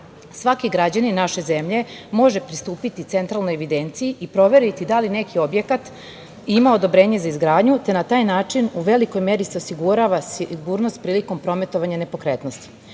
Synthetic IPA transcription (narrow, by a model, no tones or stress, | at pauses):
sʋakiɡɾad͡ʑaninaʃe̞ze̞mʎe̞mo̞ʒe̞pɾist̪uːpit̪it̪se̞nt̪ɾalnojeʋid̪e̞nt̪sijiʔipɾo̞ʋe̞ɾit̪id̪aline̞kʰio̞bje̞kat̪ | imao̞d̪o̞bɾe̞ːɲe̞zaizɡɾaːd̪ɲut̪e̞nat̪aːjnaːt͡ʂinuʋe̞liko̞jme̞ɾise̞osiɡuɾaʋasiɡuːɾnost̪̚pɾiːliko̞mpɾo̞me̞t̪o̞ʋaɲane̞po̞kɾet̪nost̪i̥